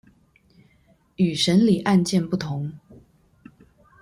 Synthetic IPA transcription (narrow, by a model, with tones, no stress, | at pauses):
y˨˩ʂə˧˥nli˨˩ʔa˥˧nt͡ɕjɛ˥˧npu˥˩t̪ʰʊ˧˦ŋ